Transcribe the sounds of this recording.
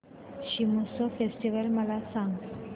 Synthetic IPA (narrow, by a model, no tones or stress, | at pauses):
ɕimusofesʈiʋəlməlasãŋɡ